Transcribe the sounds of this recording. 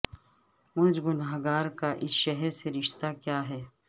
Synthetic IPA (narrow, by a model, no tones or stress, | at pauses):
mʊd͡ʒɡʊnaːɦɡaːɾkaʔɪsʃɛɦɛɾseɾɪʃt̪akjaːɦɛː